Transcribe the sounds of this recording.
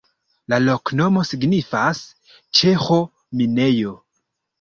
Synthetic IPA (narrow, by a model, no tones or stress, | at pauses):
lalo̞kno̞mo̞siɡnifas | t͡ʃe̞xo̞ | mine̞jo̞